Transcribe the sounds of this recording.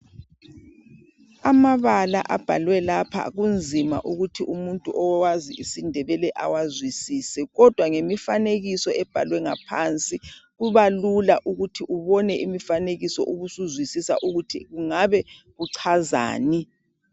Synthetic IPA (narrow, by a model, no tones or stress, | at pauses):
amaβala̰ʔab̥ʱa̰lwɛlapʰa̰ɣund͡zʱima̰ʔuɣutʰiʔumuntʼuʔɔwaziisindʱɛβɛlɛʔa̰wazwisiːsɛɣɔd̥ʱwaŋemifaneɣisɔʔɛb̥ʱa̰lwɛŋapʰant͡sʼiɣuβalulaʔuɣutʰiʔuβɔnɛʔimifaneɣisɔ̰ʔuɣusuzwisisa̰ʔuɣutʰḭɣuŋaβɛɣuǀʰaza̰ːni